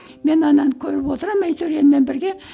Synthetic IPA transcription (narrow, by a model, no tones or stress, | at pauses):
me̞nɑnɑnkʲʰɵɾɪpwot̪əɾəmːejt̪ʰɵɾɡʲenmenbɪɾɡʲe